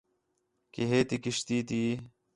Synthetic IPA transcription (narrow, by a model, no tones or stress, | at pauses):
kiɦeːt̪ikiɕt̪iːt̪iː